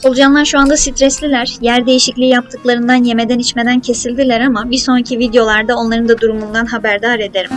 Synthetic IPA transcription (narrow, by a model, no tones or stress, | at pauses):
o̞lˠud͡ʒanlˠaɾʃuand̪asit̪ʰɾɛslʲilʲæɾ̥jæɾd̪e̞jiʃiclʲijap̚t̪ʰɯklˠaɾɯnd̪anje̞me̞d̪ænit͡ʃme̞d̪æncʰe̞silʲd̪ilʲæɾamabiɾso̞nɾacʰivid̪ejo̞lˠaɾd̪ao̞nlˠaɾɯnd̪ad̪uɾumund̪anɦabæɾd̪aːɾe̞d̪eɾim